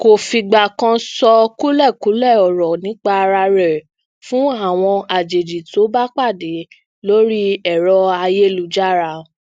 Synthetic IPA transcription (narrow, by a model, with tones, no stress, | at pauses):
ko˨fi˧ɡ͡ba˨kã˧sɔ˧ku˦lɛ˦˨ku˨˦lɛ˦˨ɔ˨ɾɔ˨nĩ˨˦k͡pa˦˧ɾa˧ɾɛ˨ | fũ˦a˦˨w̃ɔ̃˧a˨d͡ʒe˨d͡ʒi˨to˨˦ba˦k͡pa˦˨de˨˦ | lo˦ɾi˦ɛ˨ɾɔ˧a˧je˦˨lu˧˦d͡ʒa˦ɾa˧